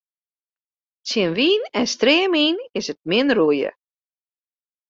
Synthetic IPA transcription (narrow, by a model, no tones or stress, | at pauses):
t͡sjənʋiːnɛnstrɪːmiːnɪsət̚mɪnruəjə̰